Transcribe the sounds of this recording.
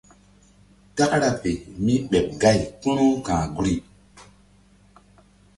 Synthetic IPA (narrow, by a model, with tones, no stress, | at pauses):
ta˦kɾa˨pe˨mi˦ɓe˨p̚ɡa˦˨jku˦nu˦kãː˨ɡu˨ɾi˦